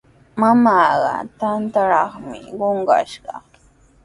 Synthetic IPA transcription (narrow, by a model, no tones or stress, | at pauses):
mamaːɢɑ̰t̪ant̪aɾɑχmɪɢoɴɢɑ̰ʃɢɑ